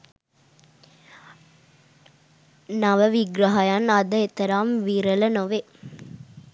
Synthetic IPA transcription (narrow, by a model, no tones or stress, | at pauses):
naʋəʋiɡɾɐɦɐjanad̪əet̪ɐɾaːmʋiːɾəlɐnoʋe